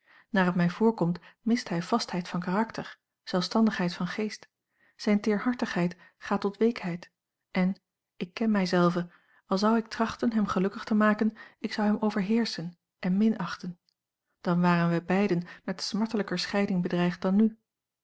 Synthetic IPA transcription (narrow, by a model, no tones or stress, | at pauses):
naːrɑtmɛjv̥ʊːɹkɔmtmɪstɦɛjv̥ɑstɦɛjtfɑnkaːrɑktəɹ | z̥ɛlˠfstɑndəχɦɛjtfɑnχejst | z̥ɛjntɪːɹɦɑɹtəχɦɛjt | χaːtɔtʋejkɦɛjt | ʔɛn | ɪkːɛnmɛjzɛlˠvə | ɑlˠzɑwɪk̚trɑχtənɦɛmχəlɵkəχtəmaːkənɪksɑwɦɛmʔowvəɹɦɪːɹsən | ʔɛnmɪnɑχtən | d̥ɑnʋaːrənʋɛjbɛjdənmɛtsmɑɹtələkəɹsχɛjdɪŋbədrɛjχt̚dɑny